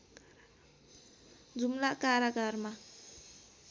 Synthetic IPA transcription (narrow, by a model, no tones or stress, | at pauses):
d͡zʱumlakaɾjaɡarma